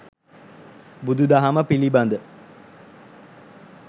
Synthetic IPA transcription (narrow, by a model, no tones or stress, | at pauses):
bud̪ud̪aɦaməpiliband̪ə